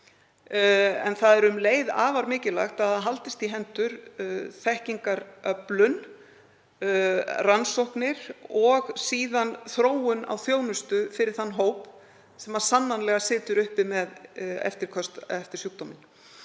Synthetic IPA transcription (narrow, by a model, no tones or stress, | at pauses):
ɛ̰nθaðɛɾʏmleːjða̰ːvaɾmɪːcɪla̰xt̪aaɦalt̪ɪst̪iɦɛnt̪ʏɾ̥θɛhciŋkaɾœplʏn | ransowhknɪɾ̥ɔɣsiːðanθɾoːwʏna̰wθjoːwnʏst̪ʏfɪɾɪɾ̥θanːɦoːwp | sɛmḁsanːanlɛɣasɪːt̪ʏɾʏhpɪmɛðɛ̰ft̪ɪɾkʰœst̪ɛft̪ɪ̥sjuːkt̪ɔmɪn